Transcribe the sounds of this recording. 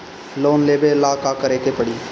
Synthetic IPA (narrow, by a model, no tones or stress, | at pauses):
loːnleːbeːlaːkaːkəɾeːkeːpəɽiː